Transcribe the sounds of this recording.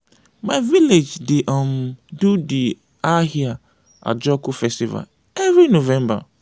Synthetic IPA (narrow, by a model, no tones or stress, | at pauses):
majviled͡ʒdeʔãmdudi | ahia | ʔa̰d͡ʒɔkufɛstiva̰l | ɛvɹinovɛ̃mba̰